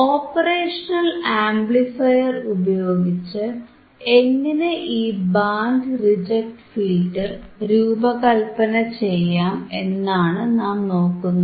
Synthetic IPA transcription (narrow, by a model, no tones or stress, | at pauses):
oːpːɐreːʂɐnɐlaːmblifɐjɐrubɐjo̞ːɡit͡ɕːɨ | eŋːineʔiːbaːɳɖrid͡ʑek̚ʈfiːlɖɨɾuːbɐkɐlpɐnɐt͡ɕe̞jːaːmenːaːɳɨnaːmno̞ːkːunːuɐ